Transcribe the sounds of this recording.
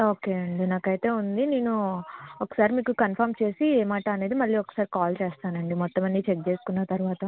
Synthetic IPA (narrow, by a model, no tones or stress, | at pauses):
o̞ːke̞ːɐɳɖinaːkɐjt̪e̞ːund̪ine̞ːnuɔkːɐ̥saːɾimiːkukɐnpʰɐːɾmt͡ʃe̞ːsieːmaːʈɐːne̞ːd̪imɐlːiːɔkːɐ̥saːɾikaːlt͡ʃeːst̪aːnɐɳɖimɔt̪ːɐmɐnːit͡ʃek̚t͡ʃeːsu̥kunːat̪ɐɾuʋaːt̪ɐ